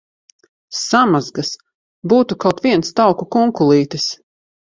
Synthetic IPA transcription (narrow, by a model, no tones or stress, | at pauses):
samazɡas | buːt̪ukawt̪viɛnst̪awkukuŋkulˠiːt̪ɨs